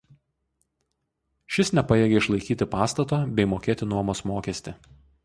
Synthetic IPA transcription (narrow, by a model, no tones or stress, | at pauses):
ʃʲɪsnʲɛpɐjeːɡʲɛɪʃlˠɐɪkʲiːt̪ʲɪpɑːst̪ɐt̪oːbʲɛɪmoːkʲeːt̪ʲɪnuɔmoːsmoːkʲɛsʲt̪ʲɪ